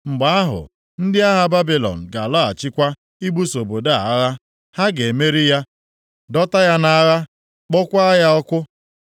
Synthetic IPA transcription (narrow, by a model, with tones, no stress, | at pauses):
ŋ͡m̩˨ɡ͡ba˨˦a˦ɦʊ̰˨ | n̩˦dɪ˦a˦ɦa˨ba˦bi˨lɔ̰˨n̩˨ɡa˨lɔ˦a˨t͡ʃɪ˦kʷa˦ | i˦ɡ͡bu˦so˨bo˨da˦a̰˨˦ɣa˦ | ha˦ɡe˨me˦ɾi˦ja˦ | dɔ˦ta˦ja˦na˦ɣa˦ | k͡pɔ˦kʷa˦ja˦ɔ˦kʷʊ˦